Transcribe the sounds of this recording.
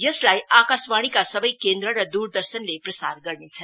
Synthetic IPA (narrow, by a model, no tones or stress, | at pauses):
jʌslajakasbaɽ̃ikasʌbʌjkend̪ɾəɾʌd̪uɾd̪ʌɾsənleprʌsarɡʌɾnet͡sʰʌn